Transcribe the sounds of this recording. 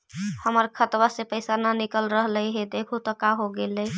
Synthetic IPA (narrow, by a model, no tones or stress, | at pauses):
həməɾkʰət̪bəsepəjsananikəlɾəɦləjɦed̪ekʰut̪əkaɦoɡeləj